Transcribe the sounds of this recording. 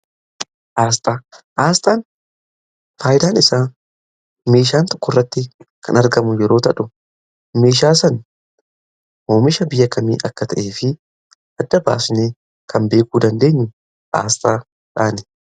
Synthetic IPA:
ʔaːst̪ʼaːʔaːst̪ʼaːn | faːjɪd̪aːnɪsaː | me̞ːʃaːnt̪ɔ̥kːɔrːɐt̪ːɪkʰɐ̰nɐɾɡɐmʊjɛɾo̞ːt̪ɐᶑʊ | me̞ːʃaːsɐn | hoːmɪʃɐbɪjːɐkɐmḭːʔɐkːɐt̪ʰɐʔeːfɪ | ʔɐd̪ːɐba̰ːsneː | kʰɐmbe̞ːkuːd̪ɐnd̪e̞ːɲːʊ | ʔa̰ːst̪ʼaː | ᶑaːnɛ̥

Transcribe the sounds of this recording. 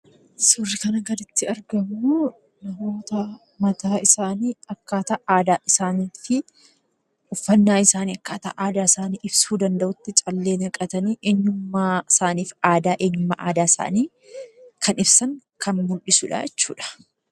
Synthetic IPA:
sʊrːɪkɐnɐɡɐd̪ɪt̪ːɪɐɾɡɐmu | nɐmo̞ːt̪ɐ | mɐt̪aːɪsaːniːɐkːaːt̪aʔaːd̪aːʔɪsaːniːfɪ | ʊfːɐnːaːɪsaːniːɐkːaːt̪a̰ʔaːd̪aːɪsaːniːʔɪbsuːd̪ɐnd̪ɐʔʊt̪ːɪt͡ʃʼɐlːe̞ːnɐkʼɐt̪ɐniːʔe̞ːɲːʊmːasaːniːfaːd̪aːʔe̞ːɲːʊmːɐʔa̰ːd̪aːɪsa̰ːniː | kʰɐnɪbsɐŋkʰɐnmʊlɗɪsʊːᶑa̰jɛt͡ʃːṵːᶑɐ̥

